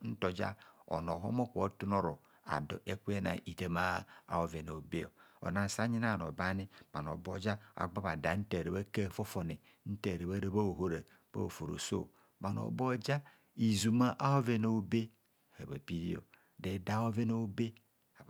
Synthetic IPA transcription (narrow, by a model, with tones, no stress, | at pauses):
n̩˦to˨d͡ʒa̰˦ɔ̰˨no˨ɦo̰˦mo˦kʷo˦tu˦no˦ɾo˨ | a̰˨do̰˨ʔe˦kʷe˦na̰˨i˨te˦ma˦a̰˨o˦ve˨no˨o˨be˦o˨o̰˨na˨n˨sa˦ɲi˦na˦˨no˨ba˦ni˦ma˨n˨o̰˨bo˦d͡ʒa˦a̰˨ɡ͡ba˦ba˨da˨˦n̩˦te˨ɾe˨be˦ke˦˨fo˦fo˨ne˨ | n̩˦te˨ɾe˨ba˦ɾe˦ba˦o˨ɦo˨ɾe˨ | b̥a̰˦˨fo˨ɾo̰˨so̰˦˨ | ma˨n˨o̰˨bo˦d͡ʒa˦ | i˨zu˨ma˦ʔa˦ho˦ve˨no˨o˨be˦˨ | he˨be˨pi˦ɾi˦o̰˨ | de˨da˦o˦ve˦no˦o˦be˦ | a˨